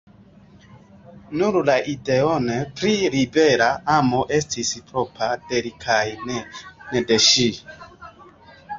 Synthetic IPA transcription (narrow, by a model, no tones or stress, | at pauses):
nuɾlaʔideonepɾilibeɾaamoʔestʰispɾopʰad̥eɾikʰajnnedeʃi